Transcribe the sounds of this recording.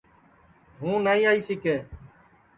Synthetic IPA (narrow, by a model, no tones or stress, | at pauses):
ɦũːnaːĩːaːiːsɪkeː